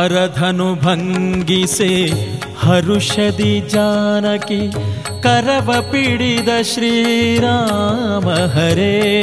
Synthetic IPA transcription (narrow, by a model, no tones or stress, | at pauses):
ɐɾɐd̪ʱɐnubʱɐŋɡise | hɐɾuʃɐd̪id͡ʒaːnɐki | kɐɾɐʋɐpiɽid̪ɐʃɾiːɾaːmɐɦɐɾeː